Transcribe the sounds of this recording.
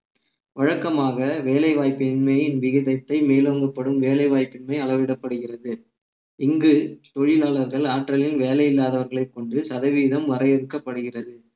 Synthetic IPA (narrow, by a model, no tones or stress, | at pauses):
ʋɐɻɐkːɐmaːɣɐʋeːlɐɪʋaːjpːɪnmɐjɪnʋɪɣɪðɐt̪ːɐɪmeːloŋɡɯpːɐɽɯmʋeːlɐɪʋaːjpːɪnmɐɪɐɭɐʋɪɽɐpːɐɽɯɣɪrɐðɯ | ɪŋɡɯt̪ɔɻɪlaːlɐɾɣɐɭaːʈrɐlɪnʋeːlɐjɪlːaːðɐʋɐɾɣɐɭɐɪkːɔɳɖɯsɐðɐʋiːðɐmʋɐɾɐɪjɛɾɯkːɐpːɐɽɯɣɪrɐðɯ